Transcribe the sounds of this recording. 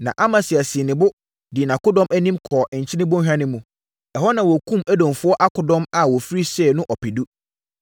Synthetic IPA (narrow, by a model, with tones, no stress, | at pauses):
nã̰˨ʔa˦mã˨sɪ˨a˨sɪ˨nɪ̃˨bʊ˦ | dɪ˨nã˨kʊ˦dɔ̃˦mæ˦nĩ˦mkʰɔː˨ʔɪ˨ɲ̩˨t͡ɕʰɪ˦nɪ̃˦bɔ̃˦ɦᶣã˦nɪ̃˦mũ˨ | ɛ˨hɔ˦nã˨wɔ˨kʰũ˦mæ˦dɔ̃˨mfʊ˦ɔ˦ʔa˦kʰʊ˨˦dɔ̃˦ma˨wɔ˨fi˦ɾi˦sɛ˦˨nʊ̃˦ʔɔ˨pʰi˨du˦